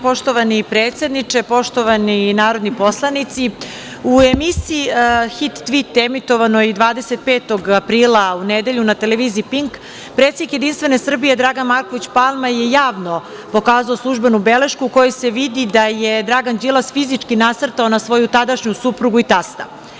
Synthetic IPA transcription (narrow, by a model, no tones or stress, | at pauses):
po̞ʃt̪o̞ʋanipɾeːt̪se̞d̪nit͡ʂepo̞ʃt̪o̞ʋaninaːɾo̞d̪nipo̞slˠanit̪si | uemisiːxit̪ːʋit̪emit̪o̞ʋanoid̪ʋaːd̪e̞set̪̚peːt̪o̞ɡapɾiːlˠauned̪eʎunat̪eleʋiːziːpiŋk | pɾet̪sed̪ikjed̪inst̪ʋe̞ne̞sr̩bije̞d̪ɾaːɡanmaɾko̞ʋit͡ɕpalˠmaje̞jaːʋno̞ | po̞kaːzaoslˠuʒbenubele̞ʃkuːko̞jese̞ʋid̪id̪ajed̪ɾaɡand͡ʒilˠasfizit͡ʂkinat̪r̩t̪aonasʋo̞jut̪ad̪aʃɲusupɾuɡuit̪ast̪a